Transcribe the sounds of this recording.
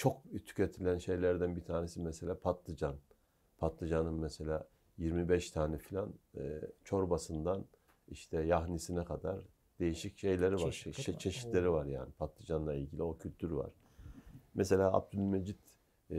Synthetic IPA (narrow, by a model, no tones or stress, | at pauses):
t͡ʃʰo̞k̚t̪ʰy̥cʰet̪ʰilʲænʃe̞jlʲæɾd̪ænbit̪ʰaːnesimɛse̞lʲaːpʰat̪lˠɯd͡ʒan | pʰat̪lˠɯd͡ʒanɯnmɛse̞lʲaː | jiɾmibɛʃt̪ʰaːnɛfilʲant͡ʃʰo̞ɾbasɯnd̪an | iʃt̪ʰɛjaɦnisinɛkʰad̪a̰ɾ | d̪̥e̞jiʃicʃe̞jlʲe̞ɾivaɾʃt͡ʃʰe̞ʃi̥t̪lʲe̞ɾivaɾja̰ːnipʰat̪lˠɯd͡ʒanlˠailʲɟilʲio̞cʰylʲt̪ʰyɾva̰ɾ̥ | mɛselʲaːa̰b̚d̪ylʲmed͡ʒid̪̥